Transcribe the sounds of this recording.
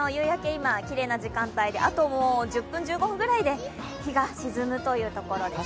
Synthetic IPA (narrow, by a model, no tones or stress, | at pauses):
ojɯ̟ːjake̞imakʲiɾe̞ːnad͡ʑikãnt̪aid̪e̞ʔat̪o̞moːd͡ʑɨpːɯ̟̃ɲ̟d͡ʑɨːɡo̞ɸɯ̟̃ɡɯ̟ɾaid̪e̞ | çiɡaɕizɨmɯ̟t̪o̞jɯ̟ːt̪o̞ko̞ɾo̞d̪e̞